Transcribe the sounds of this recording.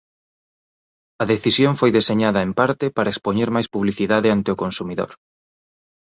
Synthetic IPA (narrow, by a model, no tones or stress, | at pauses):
ɐðeθisjoŋfojðeseɲaðɐempaɾt̪ɪpaɾɐekspoɲeɾmajspuβliθiðaðɪant̪eʊkonsumiðo̰ɾ